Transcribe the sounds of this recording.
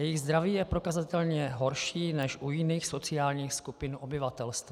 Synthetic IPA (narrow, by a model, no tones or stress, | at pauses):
jɛjɪɣzd̪ɾaviːjɛpɾo̞kazat̪ɛlɲɛɦo̞ɾʃiːnɛʃʔujɪniːxso̞t͡sɪaːlɲiːxskupɪnʔobɪvat̪ɛlst̪va